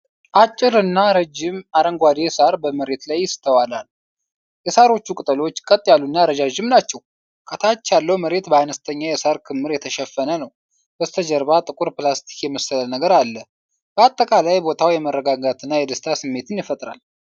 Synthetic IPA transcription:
ʔat͡ʃʼːɪɾɨnːaɾəd͡ʒɪmaɾəŋɡʷwad̪esaɾbəməɾe̞t̪lajːɪst̪ʰəwalal | jɛsaɾo̞t͡ʃːukʼɨt̪ʼəlo̞t͡ʃːkʼət̪ʼːjalːunːaɾəd͡ʒaʒɪmnat͡ʃːɛw | kʼət̪ʰat͡ʃːjalːəwməɾe̞t̪bəanəst̪ʰəɲːajɛsaɾkʰɨmːɨɾjɛt̪ʰəʃɛfːənənəw | bəst̪ʰəd͡ʒəɾbat̪ʼɨkʼuɾplast̪ʰi̥kjɛmːəsələnəɡəɾalːə | b̥əat̪ʼːəkʼalajbo̞t̪ʰawjɛmərːəɡaɡat̪ʰɨnːajɛd̪əst̪ʰasɨmːe̞t̪ʰɨnjɪfət̪ʼɾa̰l

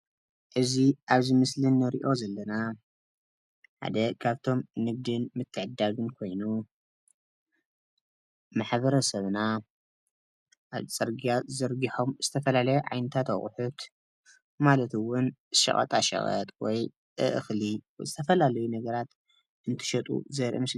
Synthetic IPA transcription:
ʔɨziʔaβzɨmɨslɨnːɐɾḭʔo̞zɐlːɐna | ħa̰d̪ɐkʰaβt̪ʰo̞mnɨɡ̚d̪ɨnmɨt̪ʰːɨʕɨd̪ːaɡɨnkʰo̞jnu | maħbɐɾɐsɐβna | ʔaβt͡sʼɐɾɡiazɐɾɡiħo̞mz̥ɨt̪ʰɐfɐlalɐjoʕa̰jnɐt̪ʰat̪ɐ̰χʼħʊt̪ | malɐt̪ɨwʊnɨʃɐ̰χʼɐ̰t̪ʼa̰ʃɐ̰χʼɐ̰t̪wɔj | ʔɨ̰ʔɨ̰xlijzɨt̪ʰɐfɐlalɐjunɐɡɐɾat̪ | ʔɨnt̪ʰɨ̥ʃɐt̪ʼṵzɐɾʔḭmɨsl

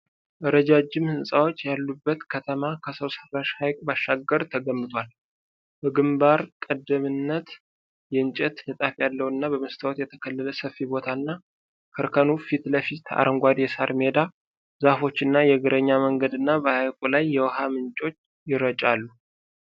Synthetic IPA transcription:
ʔɨɾəd͡ʒad͡ʒːɪmhɨnsʼawo̞t͡ʃːjalːubːət̪kʰət̪ʰəmakʰəsəwsəraʃhajkʼbaʃːaɡːəɾt̪ʰəɡəmːɨt̪ʼwal | bəɡɨmbaɾkʼəd̪ːəmɨnːət̪ | jɛɨnt͡ʃʼɛt̪nɨt̪ʼafjalːəwɨnːabəməst̪ʰəwot̪jɛt̪ʰəkʰəlːələsəfibo̞t̪ʰaɨnːa | kʰɨɾkʰənufit̪ləfit̪ʰa̰ɾəŋɡʷad̪jɛsaɾme̞d̪a | zafo̞t͡ʃːɨnːajɛɡɨɾəɲːaməŋɡəd̪ɨnːabəhajkʼulajːɛwɔhamɨnt͡ʃʼo̞t͡ʃː | jɪɾət͡ʃʼalːu

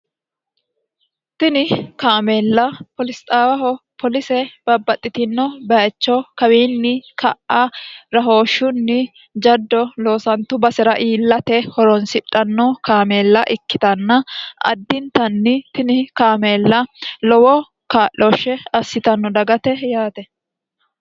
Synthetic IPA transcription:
t̪ɪnɪkaːmeːlːɐpɔlɪst̪ʼaːwɐhɔpʰɔlɪsɛb̥ɐbːɐt̪ʼːɪt̪ɪnːɔbɐɛt͡ʃːɔkɐwiːnːɪkʰɐʔɐɾɐɦo̞ːʃːʊnːɪ | d͡ʒɐd̪ːɔloːsɐnt̪ːʊbɐsɛɾɐʔiːlːɐt̪ɛhɔɾɔnsɪᶑʼːɐnːɔkaːmeːlːɐʔɪkːɪt̪ɐnːɐʔɐ̰d̪ːɪnt̪ɐnːɪt̪ɪnɪkaːmeːlːɐlɔwɔ | kaːʔːɔʃɛɐsːɪt̪ɐnːɔd̪ɐɡɐt̪ɛjaːt̪ɛ

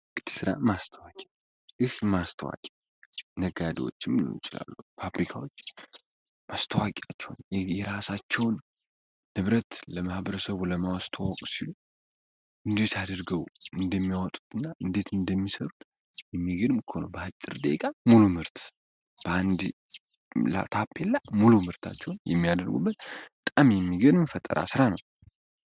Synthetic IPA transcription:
ɡʼɨd̪̥sɨɾa̰mast̪ʰəwakʼa | ʔɨhmast̪ʰəwa̰kʼa | nəɡad̪iwo̞̰t͡ʃːɪmulṵnt͡ʃʼɪla̰lːufafɾikʰawot͡ʃː | mast̪ʰəwakʼat͡ʃːɛwnjɛjɛɾasat͡ʃːɛwnː | ɨβɾət̪ləmahbəɾəsəβuləmawast̪ʰawəkʼsilu | ʔɨnd̪e̞t̪ʰad̪əɾɡəwʔɨnd̪əmːijawɔt̪ʼu̥t̪ʰɨnːaʔɨnd̪e̞t̪ɨnd̪əmːisəɾut̪ʼ | jɛmːiɡənmɨkʰo̞nəwbəhat͡ʃʼːɨɾd̪ekʼamulumɨɾt̪ | b̥əʔand̪ | la̰t̪ʰapʰːelːamulumɨɾt̪ʰa̰t͡ʃːɛwnjɛ̰mːijad̪əɾɡṵbːət̪ət̪ʼamjɛmːiɡənmfət̪ʼːə̰ɾʔa̰sɨɾanəw

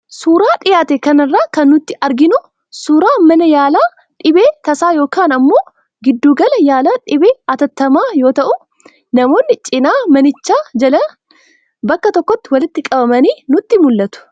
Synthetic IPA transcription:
suːɾaːᶑɪjaːt̪ɛkɐnɐrːaːkɐnːʊt̪ːɪʔɐɾɡɪnʊ | suːɾaːmɐnɐjaːlaː | ᶑɪbeːt̪ɐsaːjo̞ːkaːnɐmːo̞ː | ɡɪd̪ːuːɡɐlɐjaːlaːᶑɪbeːɐt̪ɐt̪ːɐmaːjo̞ːt̪ɐʔʊ | nɐmo̞ːnːɪt͡ʃʼɪnaːmɐnɪt͡ʃːaːd͡ʒɐlɐ | bɐkːɐt̪ɔkːɔt̪ːɪwɐlɪt̪ːɪkʼɐbɐmɐniːnʊt̪ːɪmʊlːɐt̪ʊ̥

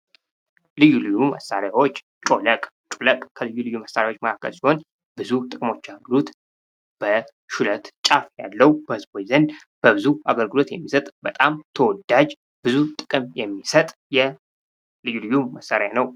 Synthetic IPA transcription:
lɨjːulɨjːumə̰sːaɾjawo̞t͡ʃː | t͡ʃʼoləkʼ | t͡ʃʼoləkʼkʰəlɨjːulɨjːuməsːaɾjawo̞t͡ʃːməkʰakːə̰lsiho̞n | b̥ɨzut̪ʼɨkʼɨmo̞t͡ʃːaɡəɡɨlot̪ | b̥ə | ʃulət̪t͡ʃʼafja̰lːəwubəhɨzbojzən | b̥əbɨzua̰ɡəlɡɨlo̞t̪jɛmːisət̪ʼbət̪ʼamt̪ʰəwɔd̪ːad͡ʒ | b̥ɨzut̪ʼɨkʼɨmjɛmːisət̪ʼ | jɛ | lɨjːulɨjːuməsːaɾjanəw

